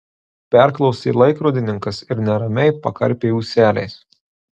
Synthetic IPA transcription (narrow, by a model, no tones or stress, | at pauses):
pʲɛɾklˠɒʊsʲeːlˠɐɪkɾoːd̪ʲɪnʲɪŋkɐsɪɾnʲɛɾɐmʲɛɪpɐkɐɾʲpʲeːjuːsʲæːlʲɛ̰ɪs